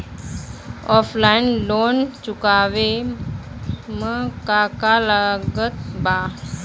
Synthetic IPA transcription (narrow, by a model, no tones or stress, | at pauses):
ɔfʰlainlont͡ʃukaʋe | məkakalaɡət̪ba